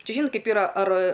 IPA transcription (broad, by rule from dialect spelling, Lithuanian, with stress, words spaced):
ˈt͡ʃʲɛ ˈʒʲiːnoːt ˈkɐɪp iːˈrɐ ɐr